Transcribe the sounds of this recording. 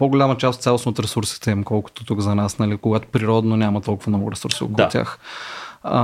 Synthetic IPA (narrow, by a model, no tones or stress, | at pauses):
poɡʊlʲamɐt͡ʃast̪sʲalˠosot̪ɾɛsuɾsi̥t̪ɛimkɔlˠkʊ̥t̪ot̪ukzɐnasnɐlikoɡat̪o̥pɾiɾɔd̪nonʲamɐt̪ɔlˠkʊvɐmnɔɡʊɾɛsuɾsio̰k̪ːˠt̪ʲa̰x